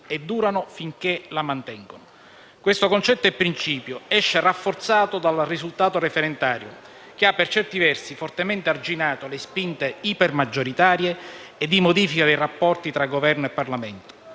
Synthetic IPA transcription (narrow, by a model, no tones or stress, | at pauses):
ed̪ːuːɾanofiŋk̟elamant̪ɛŋɡono | kwest̪okont͡ʃɛt̪ːoɛpːɾint͡ʃiːpjoɛʃːerafːort̪saːt̪od̪alrizult̪aːt̪orefeɾent̪aːɾjo̰ | keapːert͡ʃɛrt̪ivɛrsifort̪emɛnt̪eard͡ʒinaːt̪olespint̪eipermad͡ʒːoɾit̪aːɾjeːd̪ːimod̪iːfikad̪ejrapːɔrt̪it̪ɾaɡːovɛrnoepːarlamɛnt̪o̥